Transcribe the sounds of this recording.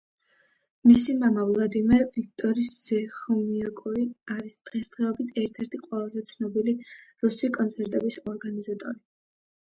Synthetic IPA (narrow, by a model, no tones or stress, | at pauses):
misimamavlˠad̪imɛɾvik̚ʰt̪ʼɔɾisz̥ɛχɔmiakʼuiaɾisd̪̥ʁɛsd̪̥ʁɛɔbit̪ʰɛɾt̪ʰɛɾt̪ʰiqʼwɛlˠazɛt̪sʰnɔbiliɾusikʼɔnt̪sʰɛɾt̪ʼɛbisɔɾɡanizat̪ʼɔɾi